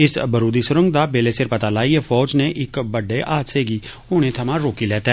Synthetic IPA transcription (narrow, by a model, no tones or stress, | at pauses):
ɪsbəɾuːd̪isʊɾə̃ŋɡd̪aːbeːleːsɪɾpət̪aːlaːiefʰɔːd͡ʒneʔɪkbəɖeːʔaːd̪seːɡiː | ʊːɽ̃ẽːt̪ʰəmãɾoːkilɛːt̪ɛ